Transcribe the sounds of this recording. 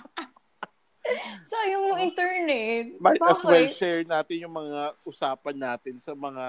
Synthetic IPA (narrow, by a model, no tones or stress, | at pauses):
sɐjʊŋit̪ɛɹnɛmajbaɐswɛlʃɛːɹnaːt̪ɪnjʊŋmɐŋaʔʊsaːpɐnːaːt̪ɪnsɐmɐŋa